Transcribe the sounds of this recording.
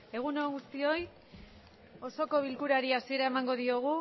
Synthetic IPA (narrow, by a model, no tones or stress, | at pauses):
e̞ɣ̞uno̞ɡust̪io̞j | o̞so̞ko̞β̞ilkuɾaɾiasie̞ɾae̞maŋɡo̞ðio̞ɣ̞u